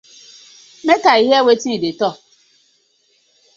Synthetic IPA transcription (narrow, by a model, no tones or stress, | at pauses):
mekaiɦewetiidɪtɔ